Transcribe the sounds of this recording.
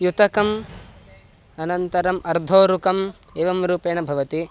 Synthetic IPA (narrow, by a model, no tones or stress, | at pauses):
jut̪ɐkɐm | ɐnɐnt̪ɐɾɐmʔɐɾd̪ʱoːɾukɐm | eːʋɐmɾuːpeːɳɐbʱɐʋɐt̪i